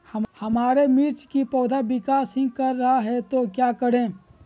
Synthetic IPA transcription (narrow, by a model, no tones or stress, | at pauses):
həmhəmaːɾemɪɾt͡ʃkipɔːd̪abɪkaːsɦɪ̃ɡkəɾːəɦaɦɛt̪okjaːkəɾẽː